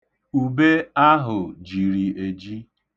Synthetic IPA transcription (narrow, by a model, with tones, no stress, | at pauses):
u˨be˦a˦ɦʊ˨d͡ʒi˨ɾi˨e˨d͡ʒi˦